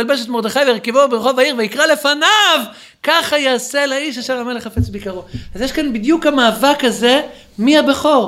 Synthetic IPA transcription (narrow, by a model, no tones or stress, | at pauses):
albeʃet̪mo̞ʁd̪eχajveiʁkivobeʁχo̞vaiʁveikʁale̞fanav | kaχajaːselaiʃaʃeʁame̞leχafet͡sbikaʁoazjeʃkanbid̪jukamaːvakaze̞ | mihabeχo̞ʁ